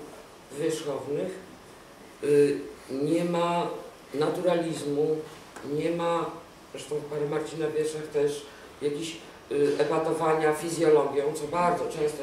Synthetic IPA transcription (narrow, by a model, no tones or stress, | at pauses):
vʲjɛʂxɔvnɘx | ɲɛma | nat̪uɾalʲizmu | ɲɛma | ʐɛʃt̪ɔ̃w̃paɾɛmaɾt͡ɕinavʲjɛʂaxt̪ɛʂ | jakʲeɕ | ɛbat̪ɔvaɲafʲizʲjɔlɔɡʲjɔ̃w̃t̪sɔbaɾd̪zɔt͡ʂɛ̃w̃st̪ɔ